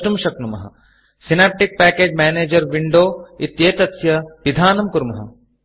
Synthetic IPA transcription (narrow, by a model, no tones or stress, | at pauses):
ʈumʃɐknumɐɦɐ̰ | sinaːp̚ʈik̚pɛːkeːd͡ʒmɛːneːd͡ʒɐɾʋiɳɖoːit̪jeːt̪ɐt̪sjɐʋid̪ʱaːnɐmkuɾmɐɦɐ̰